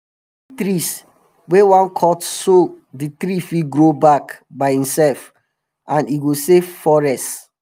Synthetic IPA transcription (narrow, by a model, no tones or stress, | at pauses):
it̪ɾis | wewãnkʰɔtso | dit̪ɾifiɡɹobakbaɪhĩmsɛlf | ãniɡosefɔɹɛst